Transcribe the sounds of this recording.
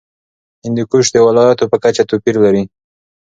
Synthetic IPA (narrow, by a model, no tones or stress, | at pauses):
ɪnd̪ikuʃd̪əwɪlɑjat̪opəkat͡ʃat̪opiɾlaɾi